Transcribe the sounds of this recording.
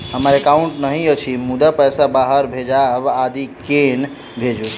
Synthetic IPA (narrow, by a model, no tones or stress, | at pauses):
ɦəməɾekauɳʈnəɦĩət͡ʃʰimud̪apəjsabaɦəɾbʱed͡ʒabad̪iken | bʱed͡ʒu